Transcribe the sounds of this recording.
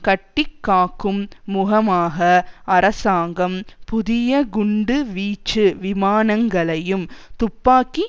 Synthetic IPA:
kɐʈːɪkːaːkːɯmːʊɣɐmaːɣɐɐɾɐsaːŋɡɐmpʊðɪjɐɡʊɳɖɯʋiːt͡ʃːɯʋɪmaːnɐŋɡɐɭɐjɯmt̪ʊpːaːkːi

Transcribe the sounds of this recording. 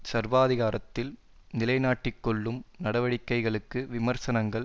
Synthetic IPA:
sɐɾʋaːðɪɣaːɾɐt̪ːɪl | nɪlɐɪnaːʈːɪkːɔɭːɯmnɐɽɐʋɐɽɪkːɐɪɣɐɭɯkːɯʋɪmɐɾsɐnɐŋɡɐɭ

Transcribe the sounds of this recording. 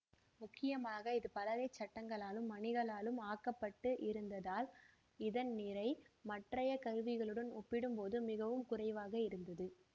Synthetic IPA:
mʊkːɪjɐmaːɣɐɪðɯpɐlɐɣɐɪt͡ʃːɐʈːɐŋɡɐɭaːlɯmːɐɳɪɣɐɭaːlɯmaːkɐpːɐʈːɯʔɪɾɯnd̪ɐðaːl | ɪðɐnnɪɾɐɪmɐʈrɐjɐkɐɾʋɪɣɐɭɯɽɐnɔpːɪɽɯmpoːðɯmɪɣɐʋɯmkʊrɐɪʋaːɣɐɪɾɯnd̪ɐðɯ

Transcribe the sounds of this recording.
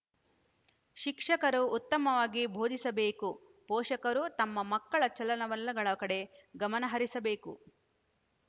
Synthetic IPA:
ʃikʂɐkɐɾuːt̪ːɐmɐʋaːɡibʱoːd̪ʱisɐbe̞ːku | pɔːʃɐkɐɾut̪ɐmːɐmɐkːɐɭɐt͡ʃɐlɐnɐʋɐlːɐɡɐɭɐkɐɽe̞ɡɐmɐnɐɦɐɾisɐbe̞ːkṵ

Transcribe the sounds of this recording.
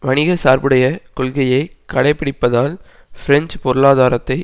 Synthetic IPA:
ʋɐɳɪɣɐsaːɾbɯɽɐjɐkʊlɣɐjɐɪkɐɽɐɪpːɪɽɪpːɐðaːl | fɪɾɛnd͡ʒpɔɾɯɭaːðaːɾɐt̪ːɐɪ

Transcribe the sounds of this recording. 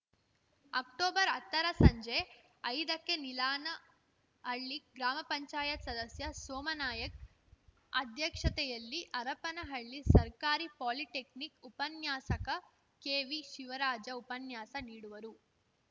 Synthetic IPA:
ɐkʈoːbɐɾɐt̪ːɐɾɐsɐɲd͡ʒe | ɐjd̪ɐkːenilaːnɐ | ɦɐɭːiɡɾaːmɐpɐɲt͡ʃaːjɐt̪sɐd̪ɐsjɐsɔːmɐnaːjɐk̚ | ɐ̰d̪ʱjɐkʂɐt̪ɛjɐlːiʔɐɾɐpɐnɐɦɐɭːisɐɾkaːɾipaːliʈeknikupɐnjaːsɐkɐ | keːʋiʃiʋɐɾaːd͡ʒɐupɐnjaːsɐniːɽuʋɐɾu

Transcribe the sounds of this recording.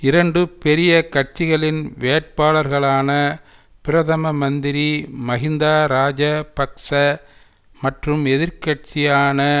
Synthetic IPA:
ɪɾɐɳɖɯpɛɾɪjɐkɐʈ̚t͡ʃɪɣɐɭɪnʋeːʈ̚paːɭɐɾɣɐɭaːnɐ | pɪɾɐðɐmɐmɐnd̪ɪɾimɐɣɪnd̪aːɾaːd͡ʒɐpɐkʂɐ | mɐʈrɯmɛðɪɾkɐʈ̚t͡ʃɪjaːnɐ

